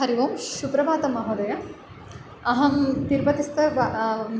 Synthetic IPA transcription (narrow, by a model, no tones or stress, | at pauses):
ɐɾiʋoːmʃupɾɐbʱaːt̪ɐmɐɦoːd̪ɐjɐ | ɐɦɐmt̪iɾbɐt̪ist̪ʰɐb